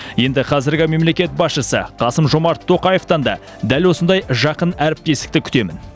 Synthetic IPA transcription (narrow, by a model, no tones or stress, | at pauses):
je̞nd̪ɪqʰɑzɪɾɡʲɪme̞mle̞kʲe̞t̪̚bɑsʃəsə̰qʰɑsəmʒo̞mɑɾt̪ʰːo̞qɑje̞ft̪ɑnd̪ɑ̰ | d̪ælwo̞sənd̪ɑjʒɑqənæɾɪp̚t̪e̞st̪ɪkt̪ɪkʲʰʏt̪e̞mɪn